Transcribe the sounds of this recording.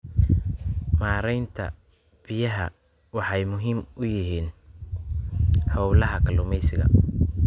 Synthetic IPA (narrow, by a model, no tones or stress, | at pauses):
maːɾɛjnt̪ʰɐ̰ | b̥ɪjɐɦɐ̰ | wɑħɑjmʊɦiːmʊjɪɦiːn | hɔwlɐɦɐkʰɐlʊmɛjsɪɣɐ̰